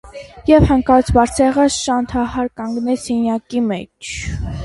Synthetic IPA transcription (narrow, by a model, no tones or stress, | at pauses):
jɛvhəŋkɑt͡sʰbɑɾt͡sʰɛʁəʃɑnt̪ʰɑhɑɾkɑŋɡnɛt͡sʰhinjɑkimɛt͡ʃʰ